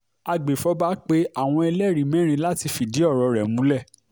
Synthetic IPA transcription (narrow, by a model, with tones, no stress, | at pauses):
a˧ɡ͡be˨fɔ˨˦ba˦k͡pe˦a˦˨w̃ɔ̃˧ɛ˧lɛ˦˨ɾĩ˨˦mɛ̃˦ɾ̃ĩ˧la˦ti˧fi˨di˨˦ɔ˦˨ɾɔ˧˦ɾɛ˨mũ˨˦lɛ˦˨